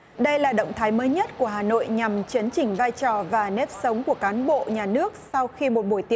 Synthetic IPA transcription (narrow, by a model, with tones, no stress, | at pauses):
ɗə˧jlaː˨˩ɗə̰˧˨wŋ͡mt̪ʰaː˨˦jməː˨˦jɲə˦˥t̚ku˧˩əɦaː˨˩no̰˧˨jɲa˨˩mt͡ɕi˨˦ənt͡ɕï˧˩ŋ̟vaː˧jt͡ɕɔ˨˩vaː˨˩ne˦˥p̚sə˨˦wŋ͡mku˧˩əkaː˨˦nɓo̰˧˨ɲaː˨˩nɨ˦˥ək̚sa˧wxi˧mo˨˩t̚ɓo˧˩jt̪i˨˦